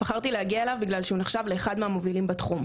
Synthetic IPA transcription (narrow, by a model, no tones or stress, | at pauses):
b̥aχaʁt̪ilehaɡiaelavbiɡlalʃeuneχʃavle̞ːχad̪meamovilimbat̪χum